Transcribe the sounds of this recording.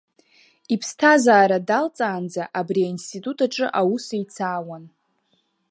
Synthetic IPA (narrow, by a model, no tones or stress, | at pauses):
ipʰstʰazaːɾadalt͡sʼaːnd͡zaʔabriainstʰitʼutʰaʈ͡ʂʼɨʔawusajt͡sʰaːwan